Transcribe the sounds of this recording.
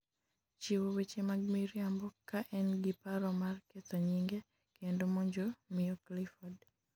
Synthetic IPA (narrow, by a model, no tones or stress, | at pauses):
t͡ʃiwowet͡ʃemaɡ̚miɾjambɔkaʔɛnɡipaɾɔmarket̪ɔɲiŋɡe | kendomɔɲd͡ʒomɪɔklifɔd